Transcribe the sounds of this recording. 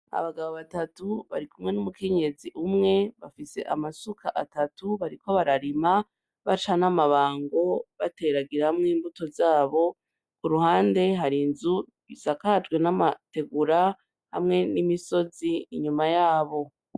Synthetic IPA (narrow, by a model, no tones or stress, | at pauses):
a̰βaɡaβoβatatuβa̰ɾikumŋe̞numukʰe̞ɲe̞ziʔumŋe̞βafise̞̰ʔamasukʰaʔatatuβaɾiko̞βaɾaɾima | βat͡ʃanamaβaːŋɡo̞βate̞ɾaɡiɾahamŋiːmbuto̞zaːβo̞ | kuɾuhaːnde̞ɦaɾinzu | βisakad͡ʒɡwe̞namate̞ɡuɾa | hamŋe̞nimiso̞ziːɲumajaːβo̞